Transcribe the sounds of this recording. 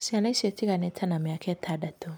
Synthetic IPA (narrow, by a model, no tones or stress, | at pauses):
sianasetiɡanetʰɐnamijakʰetʰadatːo